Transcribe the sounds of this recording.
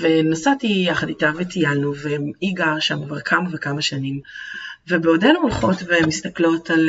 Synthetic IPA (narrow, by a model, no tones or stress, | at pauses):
venasatijaχad̪itavetijalnuveiɡaʁʃamkvaʁkʰamavekamaʃanimve̞beodenuolχo̞tvemist̪aklo̞tʰal